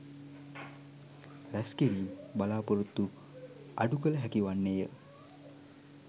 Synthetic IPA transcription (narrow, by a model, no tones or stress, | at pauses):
ɾæskeɾiːmbalaːpoɾut̪ːu | aɖukələɦækiʋanːejə